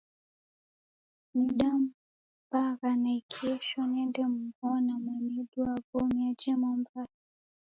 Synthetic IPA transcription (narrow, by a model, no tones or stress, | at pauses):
niɗam | baɣanaikʰɛʃɔnɛndɛm̩bɔnamwɛnɛɗuaɡɔmiad͡ʒɛmambaɾa